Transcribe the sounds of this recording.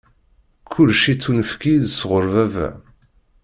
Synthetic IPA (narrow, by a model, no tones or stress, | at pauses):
kʰʊlʃit͡sːunəfkiðsʁəɾvævæ̰